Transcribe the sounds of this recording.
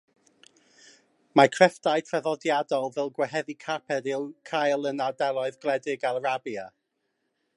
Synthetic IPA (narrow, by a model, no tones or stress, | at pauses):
makʰrɛfdajtʰrɛðɔdjadɔlˠvɛlˠɡwɛɦɛðikʰapʰɛɾɪlˠkʰajlˠənadɛlˠɔɨðɡlˠɛdɪɡalrabja